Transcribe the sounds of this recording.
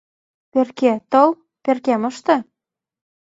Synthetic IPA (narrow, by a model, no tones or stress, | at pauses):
perket̪ɤl | perkemɤ̆ʃt̪ɤ̆